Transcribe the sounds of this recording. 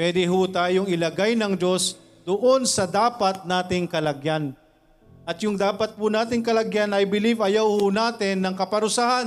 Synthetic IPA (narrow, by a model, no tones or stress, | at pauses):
pwɛːd̪ɪɦʊt̪aːjoŋɪlɐɡajnɐŋd͡ʒo̞s | d̪ʊʔonsɐd̪aːpɐt̪̚naːt̪ɪŋkɐlɐɡjan | ʔɐt̪jʊŋd̪aːpɐt̪̚pʊnaːt̪ɪŋkɐlɐɡjanɐjbɪlivɐjawhʊnaːt̪ɪnːɐŋkɐpɐɾʊsahan